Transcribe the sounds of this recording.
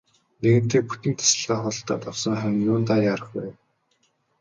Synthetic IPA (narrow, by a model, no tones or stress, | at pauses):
neɣɘ̆rt̪eːk̚pu̥t̪ɘ̆ŋt̪ʰḁsə̆ɮʁaːχʊɮɞ̆ɬt̪aːt̪awsɞ̆ŋχæmʲnjʊːnt̪aːjaːɾə̆χpæːn